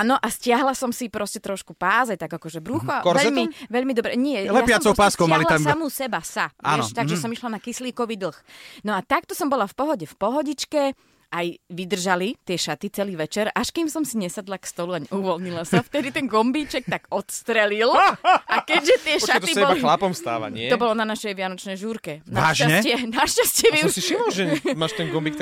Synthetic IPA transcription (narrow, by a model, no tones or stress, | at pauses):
nɔʔascɪaɦlasɔmsipɾɔscɛt̪ɾɔʃkupaːzat̪aɡakɔʒɛbɾuːxaɔɾɛʎmiʋɛʎmid̪ɔbɾɛɲɪɛjlɛapɪat͡sɔʊpaskkɔʊmalilaaamusɛbasaa̰ɛʃt̪aɡʒɛsɔmiʃlanakisliːkɔʋiːd̪l̩ˠxnɔat̪ak̚t̪ɔsɔmbɔlafpɔɦɔɟɛfpɔɦɔɟit͡ʃkɛ | ʔajʋid̪r̩ʒalit̪ɪɛʃat̪it͡sɛliːʋɛt͡ʃɛɾaʃkimsɔmsiɲɛsad̪lakst̪ɔluaɲɛ̰uʋɔlɲilasaft̪ɛd̪it̪ɛnɡɔmbiːt͡ʃɛk̚t̪aɡɔt̪st̪ɾɛlilakɛɟʒɛt̪ɪɛʃat̪ɔibɔlalixlapɔmfst̪a̰ːʋa̰ɲɪtɛɔbɔlɔnanaʃɛjʋɪanɔt͡ʃnɛjʒuːɾkɛnaaʃʒaɲɛt͡ɕɪɛnaʃcascɪɛʋiusiʃimɔlʒɛmaːʃt̪ɛŋɡɔmbikt̪